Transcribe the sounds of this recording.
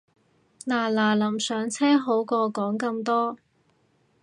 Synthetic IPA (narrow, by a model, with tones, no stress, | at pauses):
laː˨˩laː˨˩lɐ˨˩msœː˨˥ŋt͡sʰɛː˥ɦo˨˥wkɔː˧kɔː˨˥ŋkɐ˧mt̪ɔː˥